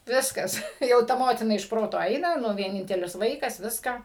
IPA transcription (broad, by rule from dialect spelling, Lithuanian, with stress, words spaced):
ˈʋʲɪskɐs ˈtɐɪ jɛʊ ˈtɐ ˈmoːtʲɪnɐ ɪʃ ˈproːtoː ˈɐɪnɐ ˈnʊ ʋʲiɛˈnʲɪnʲtʲɛlʲɪs ˈʋɐɪkɐs ˈʋʲɪskɑː